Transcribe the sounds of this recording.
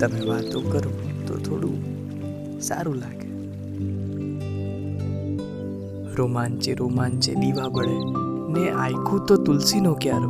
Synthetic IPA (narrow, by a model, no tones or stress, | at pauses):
t̪əmeʋat̪okəɾõt̪o̰t̪ʰoɽṵ̃ | sa̰ɾũlaɡe | ɾomant͡ʃeɾomant͡ʃḛɗiʋabəɭeneʔajkʰũt̪ot̪ʊlsinokjaɾ